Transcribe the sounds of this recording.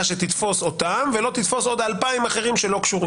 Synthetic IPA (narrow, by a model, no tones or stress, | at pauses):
ʃet̪it̪fo̞so̞t̪amvelo̞t̪it̪fo̞so̞d̪alpaimaχe̞ʁimʃe̞lo̞kʃuʁi